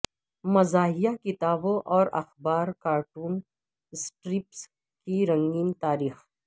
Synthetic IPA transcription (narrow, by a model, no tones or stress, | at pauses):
mɐzaːɦijakɪt̪aːbõʔɔːɾɐ̰xbaːɾkaːɾʈuːn | sʈɾɪps | kiɾɐ̃ŋɡiːnt̪aːɾiːx